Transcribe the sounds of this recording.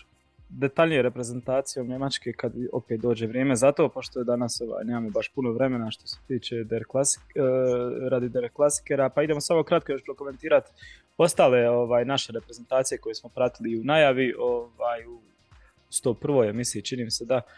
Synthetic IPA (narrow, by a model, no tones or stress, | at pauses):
d̪et̪aʎnijeɾe̞pɾeze̞nt̪aːt̪sijo̞mɲe̞mat͡ʃke̞kad̪o̰pet̪̚d̪o̞ːd͡ʑe̞ʋɾjeːme̞zat̪o̞poʃt̪ojed̪anaso̞ʋa̰ːjneːmaːmo̞baʃpuno̞ʋɾe̞me̞naʃt̪o̞̥se̥t̪iːt͡ʃe̞d̪eɾklas | ɾad̪id̪eɾklˠasi̥keɾapaid̪e̞mosamo̞kɾat̪̚kojot͡ʃpɾoko̞me̞nt̪iːɾat̪ | o̞st̪aːleo̞ʋaːjnaʃe̞ɾepɾeze̞nt̪aːt̪sijeko̞jesmo̞pɾat̪iliunajaʋiʔo̞ʋaːju | st̪oːpr̩ʋo̞jemisiit͡ʃiniːmised̪a